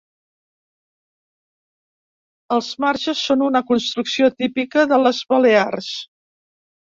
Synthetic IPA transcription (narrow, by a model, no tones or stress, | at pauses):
əlˠzmaɾʒəsːonunəkunst̪ɾuksiot̪ipikəðələzβəlears